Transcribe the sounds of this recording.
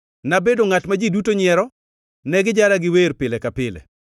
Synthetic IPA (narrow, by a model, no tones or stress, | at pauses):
nabedoŋatmad͡ʒidutoɲɪɛɾɔ | nɛɡɪd͡ʒaɾaɡɪweɾpɪlɛkapɪlɛ̰